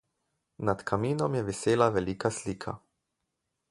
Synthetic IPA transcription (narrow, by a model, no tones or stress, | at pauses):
nat̪kʰamiːnɔmjɛʋiseːlavɛliːkasliːkʰa̰